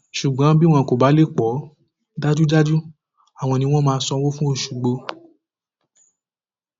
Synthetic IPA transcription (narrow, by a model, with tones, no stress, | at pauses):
ʃu˨ɡ͡bɔ̃˨˦bi˦w̃ɔ̃˧˨ko˨ba˨˦le˦˨k͡pɔ˨˦ | da˦d͡ʒu˦d͡ʒa˦d͡ʒu˦ | a˨w̃ɔ̃˧nĩ˧w̃ɔ̃˦mãː˧˦sɔ˧˦wo˦fũ˦o˦˧˨ʃu˨ɡ͡bo˧